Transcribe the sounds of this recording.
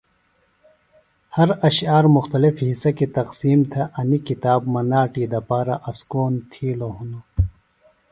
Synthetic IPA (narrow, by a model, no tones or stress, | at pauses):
hɐɾɐɕaːɾmuxt̪ɐlifhisɐkit̪ɐqsiːmt̪ʰɐʔɐnikit̪aːbmɐnaːʈiːd̪ɐpaːɾɐʔɐskoːnt̪ʰiːloɦunu